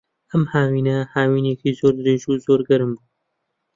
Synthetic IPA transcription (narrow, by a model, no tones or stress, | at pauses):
ɐmhaːwiːnɐhaːwiːneːkizoːɾd̪ɨɾeːʒuzoːɾɡɐɾɨmbu